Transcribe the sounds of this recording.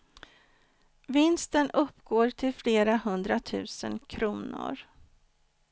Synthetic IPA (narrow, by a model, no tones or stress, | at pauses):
vɪnst̪ənɵpːɡoːɾʈʰɪlfleːɾaɦɵnd̪ɾat̪ʰʉ̟ːsə̰nkʰɾuːnʊ̰ɾ